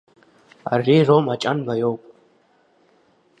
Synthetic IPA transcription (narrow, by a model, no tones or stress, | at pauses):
a̰riːromat͡ʃʼanbajoːpʼ